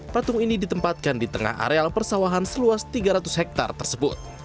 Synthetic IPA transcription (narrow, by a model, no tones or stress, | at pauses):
pat̪ʊŋinidit̪əmpat̪̚kandit̪əŋa̰ha̰ɾealpərsawaɦansəluast̪iɡaɾat̪ʊshɛk̚t̪a̰rt̪ərsəbʊt̪̚